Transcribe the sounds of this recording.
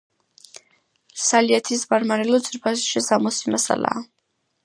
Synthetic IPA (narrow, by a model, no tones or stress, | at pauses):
saliat̪ʰisbaɾmaɾɛlɔt̪sʼiɾpʰasʃɛsamɔsimasa̰la̰ː